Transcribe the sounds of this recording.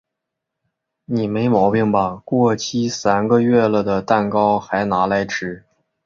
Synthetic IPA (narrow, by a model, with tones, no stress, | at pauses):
ni˨˩me˧˥ɪmɑ˧˥ʊpi˥˩ŋbɐ˨˩kwɔ˥˩t͡ɕʰi˥sa˥nɡə˧ɥɛ˥˩lə˩d̪ə˩t̪a˥˩nkɑ˥ʊxa˧˥ɪna˧˥la˧˥ɪʈ͡ʂʰɻ̩˧˥